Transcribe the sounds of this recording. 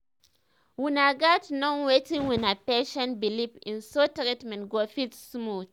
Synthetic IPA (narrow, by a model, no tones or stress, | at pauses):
wunaɡatnɔ̃nwetĩŋwinapeʃɔ̃nbilipĩnsotɾitmɛ̃nɡofitsmut